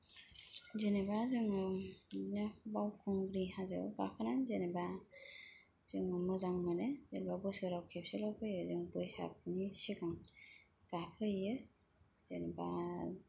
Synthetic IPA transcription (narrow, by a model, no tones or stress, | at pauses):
zenebazɯŋ | nabawkʰɔŋɡɾihazɯ̰ba̰kʰɯnanzeneba | z̥ɯŋmɯzaŋmɯnezenbabɔsɯɾawkʰep̚selɔpʰɯjɯzɯŋbɯjsa̰p̚nisikaŋ | ɡ̥apʰɯjɯ | zeneba̰